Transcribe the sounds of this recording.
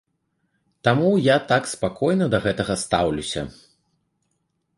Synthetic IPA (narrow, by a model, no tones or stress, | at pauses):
t̪amujat̪akspakʰɔjn̪ɐd̪ɐɣɛt̪ɐɣɐst̪a̰wlʲusʲɐ̰